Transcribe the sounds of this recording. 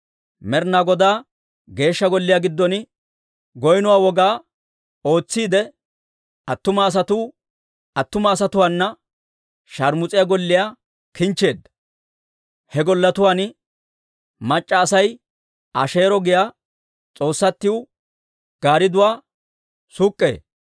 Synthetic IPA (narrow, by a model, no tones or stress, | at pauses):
mɛɾnaɡɔd̪aː | ɡe̞ːʃːɐɡɔlːɪjaɡɪd̪ːɔn | ɡɔjnʊwaːwɔɡaː | o̞ːt͡sːiːd̪ɛ | ɐt̪ːʊmɐːs̬ɐt̪uː | ɐt̪ːʊmɐːs̬ɐt̪ʊwaːnːɐ | ʃɐɾmʊt͡sʼɪjaɡɔlːɪjaː | kɪnt͡ʃːe̞ːd̪ːɐ̥ | hɛɡɔlːɐt̪ʊwaːn | mɐt͡ʃʼːɐːsɐj | ʔɐ̰ʃe̞ːɾɔɡɪjaː | t͡sʼo̞ːsːɐt̪ːɪʊ | ɡ̥aːɾɪd̪ʊwaː | sukʼːe̞̰ː